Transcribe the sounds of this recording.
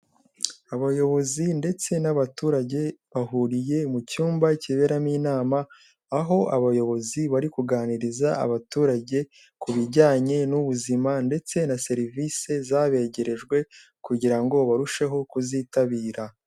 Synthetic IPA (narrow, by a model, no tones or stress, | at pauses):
aβajo̞βo̞zinde̞t͡se̞naβatuːɾaɟe̞βaɦuɾije̞mucuːmbaciβe̞ɾamiːnaːmaː | ɦo̞aβajo̞βo̞ziβaɾikuɡaːniɾizaa̰βatuːɾaɟe̞ | kuβiɾɟaːɲe̞nuβuzimande̞t͡se̞nase̞ɾiviːse̞zaːβe̞ɟe̞ɾe̞ʒɡwe̞kuɟiɾaŋɡo̞βaɾuʃe̞ɦo̞kuzitaβiːɾa